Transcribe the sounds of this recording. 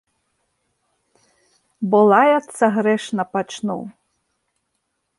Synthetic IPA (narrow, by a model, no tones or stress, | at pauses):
bɔlˠɑjɐt̪sɐɦɾɛʃnɐpɐt͡ʃnṵ